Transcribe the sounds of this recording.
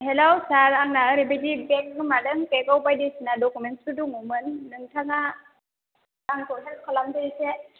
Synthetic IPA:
ɦelowsaɾaŋnaɾibedibɛkɯmadɯŋkekɔwbajdesinadɔkumɛnsuduŋumɯnːɯŋtʰaŋa | aŋkʰɔɦɛlkʰɔlamdɯise

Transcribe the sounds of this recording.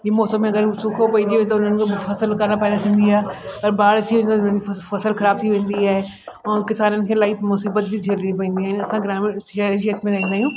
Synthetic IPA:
ɦimɔːsəmːẽɐɡəɾsʊkʰopɐid͡ʑeʋet̪ɐʊnənɪ̆kʰfɐsəlkɐɾnapɐːd̪at̪ʰĩːnd̪iaːɦeɐɾbaːɽt̪ʰiʋ̃ẽnd̪aɐʊnənd͡ʑifɐsəlxɐɾaːb̚t̪ʰiʋẽːn̆d̪iaːɦe | ɔ̃kɪsaːnənɪ̆kʰeːlaːimʊsiːbət̪̚bid͡ʑʱɐɾɾĩpɐ̃ĩːn̆d̪iɦaːɦɪnɐsãɡɾaːmɪaːɾʃijət̪mẽɾɐɦĩnd̪aːɦijũː

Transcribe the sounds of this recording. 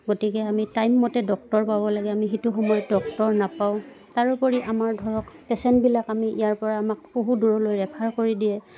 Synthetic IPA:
ɡotikɛamitajmːɔtɛdɔk̚tɔɹpabɔlaɡɛamixituxɔmɔjɔtdɔk̚tɔɹnapaʊ̃ | taɹupɔɹiʔamaɹdʱɔɹɔkpɛsɛntbilakamiʔijaɹpɔɹaːmak̚boɦuduɹɔlojɹɛpʰaɹkoɹidijɛ

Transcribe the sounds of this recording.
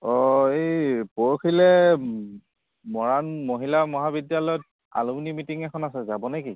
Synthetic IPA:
ɔejpoɹokʰilɛ | mɔɹanmoɦilamɔɦabidjalɔjɔt̚ | a̰lumnimitiŋɛkʰɔnasɛzabɔneki

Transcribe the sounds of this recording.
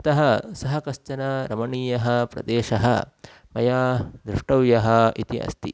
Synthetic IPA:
ɐt̪ɐɦɐsɐɦɐkɐst͡ʃɐnɐɾɐmɐɳiːjɐɦɐ̆pɾɐ̰d̪eːʃɐɦɐ̰ | mɐjaːd̪ɾuʂʈɐʋjɐɦɐit̪iʔɐ̰st̪i

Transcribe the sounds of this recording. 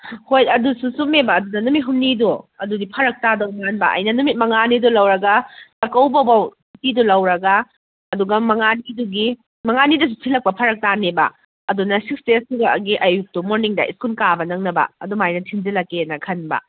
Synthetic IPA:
hojɐdususumebɐːdudɐnumit̚ɦumniduɐdudipʰɐɾɐk̚tadɐwmanbɐ̰ʔɐ̰jnɐnumit̚mɐŋanidulɐwɾɐɡɐtɐkɐwbɐbaw | tidulɐwɾɐɡɐ | ɐduɡɐmɐŋaniduɡi | mɐŋanidɐs̬utʰilɐk̚pɐpʰɐɾɐk̚tanebɐ̰ | ɐdunɐsik̚stestuɡɐɡiʔɐjuk̚tumoɾniŋdɐ̰ʔḭskunkabɐnɐŋnɐbɐ̰ɐ̰dumajnɐtʰind͡ʒilɐkːenɐkʰɐnbɐ̰

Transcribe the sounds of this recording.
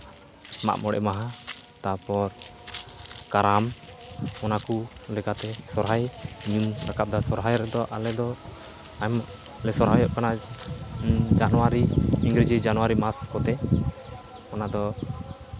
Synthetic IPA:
ma̰ʔmɔɽɛ̰maɦa | t̪apɔɾ | kaɾam | ɔnakulɛkat̪ɛsɔɾɦajɲumɾakap̚d̪asɔɾɦajɾɛd̪ɔʔalɛd̪ɔ | am | alɛsɔɾɦajɔʔkana | d͡ʒanwaɾimiŋɡɾɛd͡ʒɛd͡ʒanuwaɾimaskɔt̪ɛ | ɔnad̪ɔ

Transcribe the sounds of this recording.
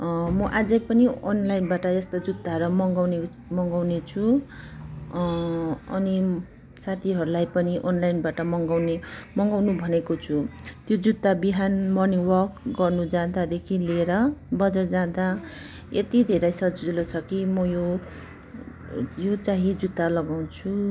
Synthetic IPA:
mʌʔad͡zʌjpʌnionlajnbaʈʌjʌst̪od͡zud̪ːaɾʌmʌŋɡawne | mʌŋɡawnet͡sʰu | ʌ̰ni | sat̪ʰiɦʌɾulajpʌniʔonlajnbaʈʌmʌŋɡawnemʌŋɡawnubʱʌnekot͡sʰut̪jod͡zut̪ːabiɦanmʌniwʌrkɡʌrnud͡zãd̪ad̪ekʰileɾʌbʌd͡zʌd͡zãd̪a | et̪id̪ʱeɾʌjsʌd͡zilot͡sʰʌkimʌjo | jot͡saɦid͡zut̪ːalʌɡaw̃t͡sʰu

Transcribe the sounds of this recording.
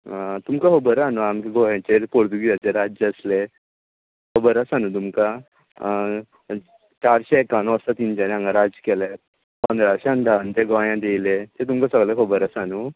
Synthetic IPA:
t̪umkaɦobəɾanuamkeɡʱojãt͡ɕeɾpoɽd̪uɡiəteɾad͡zəsle | kobəɾəsanut̪umka | t͡ɕaɾɕɛekanoəsat̪ind͡ʑanãŋɡaɾad͡zkele | pənd̪ɾaɕɛənd̪ʱaant̪eɡojãd̪ejlet̪et̪̬umkasəɡlekʰobəɾəsanu

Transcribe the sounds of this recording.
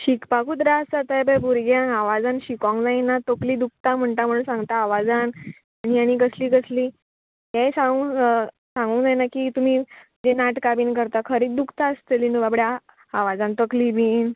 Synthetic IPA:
ɕikpakut̪ɾaəsd͡zat̪ajbəbuɾɡjãnaʋad͡zanɕikɔ̃ŋd͡zajnat̪okliːd̪uk̚ʰt̪am̤əɳt̪am̤əɽũːnsãŋɡt̪aːʋad͡zan | aniaɽ̃ikəsliːkəsliː | jajsãu | sãŋɡuŋd͡zajnakiːt̪um̤iːd͡zenaʈkabiːnkəɾt̪akʰəɾiːd̪ukʰt̪aəst̪elinuʋabɽja | aʋad͡zant̪əklibiːn

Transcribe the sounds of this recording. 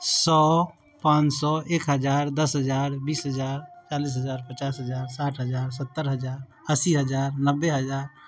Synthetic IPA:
sɔ | pãːnt͡ʃsɔʔeːkɦəd͡ʒaːɾd̪əsɦəd͡ʒaːɾbiːsɦəd͡ʒaːɾt͡ʃaːliːs̬ɦəd͡ʒaːɾpət͡ʃaːsɦəd͡ʒaːɾsaːʈʰɦəd͡ʒaːɾs̬ət̪ːəɾɦəd͡ʒaːɾ | əsiɦəd͡ʒaːɾnəbːeɦəd͡ʒaːɾ

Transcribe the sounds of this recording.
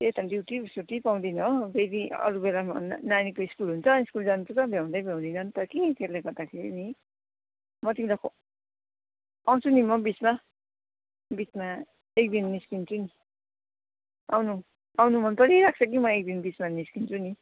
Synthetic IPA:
et̪ʌɖiwʈisuwʈipaw̃d̪inʌbʱeɾiʌ̰ɾubelamnanikoiskulɦunt͡sʰʌiskuld͡zanupʰusʌbʱjaw̃d̪ʌjbʱjaw̃d̪inʌnt̪ʌɾʌkikʰeɾlaɡʌrd̪akʰeɾḭni | mʌt̪imidakʰo | aw̃t͡sʰunimʌbit͡sma | bit͡sma | ek̚d̪inːiskint͡sʰuni | a̰wnu | awnumʌnpʌɾiɾak̚t͡sʰʌk̬imʌek̚d̪inbit͡smaniskint͡sʰuni

